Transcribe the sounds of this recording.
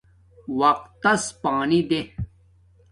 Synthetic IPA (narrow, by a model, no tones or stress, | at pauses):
wɐq̚t̪ːɐspaːnid̪e